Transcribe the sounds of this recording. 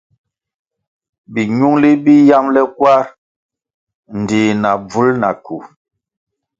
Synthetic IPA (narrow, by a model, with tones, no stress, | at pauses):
bi˨ɲu˦ŋli˦bi˦ja˦mlɛ˦kwa˦ɾ | n˨di˨na˨b͡vu˦lna̰˨ku˨